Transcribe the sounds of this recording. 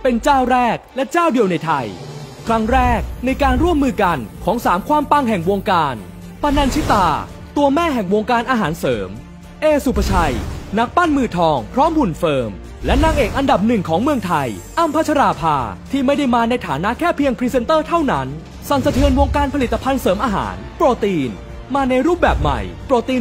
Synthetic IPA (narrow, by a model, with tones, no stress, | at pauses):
pe˧nt͡ɕaː˥˩wɾɛː˥˩k̚lɛ˦˥t͡ɕaː˥˩wdi˧əwna˧jt̪ʰa˧jkʰɾa˦˥ŋɾɛː˥˩k̚na˧jkaː˧nɾu˥˩əmːɯː˧ka˧nkʰɔː˩˦ŋsaː˩˦mkʰwaː˧mpa˧ŋɦɛ˨˩ŋwoː˧ŋkaː˧n | pʰa˧na˧nt͡ɕʰi˦˥t̪aː˧ | t̪u˧ɐmɛː˥˩ɦɛ˨˩ŋwoː˧ŋkaː˧nʔaː˧ɦaː˩˦nsɤː˩˦m | ʔeː˧su˨˩pʰːa˧t͡ɕʰa˧jna˦˥k̚paː˥˩nmɯː˧t̪ʰɔː˧ŋpʰɾɔː˦˥mbu˨˩nfɤː˧m | lɛ˦˥naː˧ŋʔeː˨˩k̚ʔa˧nda˨˩p̚nɯ˨˩ŋkʰɔː˩˦ŋmɯ˧əŋt̪ʰa˧j | ʔa˧mpʰa˦˥t͡ɕʰɾaː˧pʰaː˧t̪ʰiː˥˩ma˥˩jda˥˩jmaː˧na˧jt̪ʰaː˩˦na˦˥ʔkʰɛː˥˩pʰi˧əŋpʰɾiː˦˧˥se˧nt̪ɤː˥˩t̪ʰa˥˩wna˦˥n | sa˨˩nsa˧t̪ʰɯ˧ənwo˧ŋkaː˧npʰli˨˩t̪ːa˧pʰa˧nsɤː˩˦mʔaː˧ɦa̰ː˩˦npɾoː˧˩t̪iː˧n | maː˧na˧jɾuː˥˩p̚bɛː˨˩p̚ma̰˨˩jpɾoː˧˩t̪iː˧